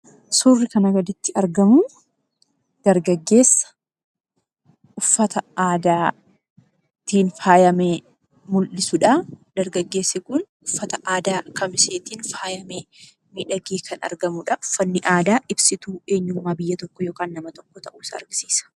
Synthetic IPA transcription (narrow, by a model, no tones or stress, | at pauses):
surːɪkɐnɐɡɐd̪ɪt̪ːɪɐɾɡɐmʊ | d̪̥ɐɾɡɐɡːe̞ːsːɐ̥ | ʔʊfːɐt̪ɐaːd̪aː | t̪iːnfaːjɐmeː | mʊlʔɪsʊᶑɐd̪̥ɐɾɡɐɡːe̞ːsːɪkʊn | ʊfːɐt̪ɐʔaːd̪aːkʰɐmɪseːt̪iːnfaːjɐmeː | miːᶑɐɡiːkʰɐnɐ̰ɾɡɐmʊᶑɐʔʊfːɐnːɪʔaːd̪aːʔɪbsɪt̪uːe̞ːɲːuːmaːbɪjːɐt̪ɔkːɔjo̞ːkaːnːɐmɐt̪ɔkːɔt̪ɐʔuːɪsɐɐ̰ɾɡɪsiːsɐ̥